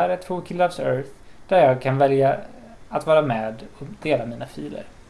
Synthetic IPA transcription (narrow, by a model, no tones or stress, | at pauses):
æɾɛt̪ʰvoːkʰɪlːavsœɾθ | d̪̥æɾjɑːɡ̚kʰanvɛlja | at̪vɑːɾamɛːd̪ɔd̪̥eːlamiːnafiːlə̰ɾ